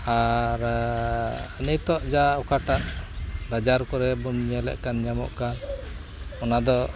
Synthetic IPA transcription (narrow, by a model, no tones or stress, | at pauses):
aɾ | ənəjt̪ɔʔd͡ʒaɔkʰaʈaʔbad͡ʒaɾkɔɾɛbunɲɛlɛ̰ʔkanɲamɔ̰ʔkan | ɔnad̪ɔ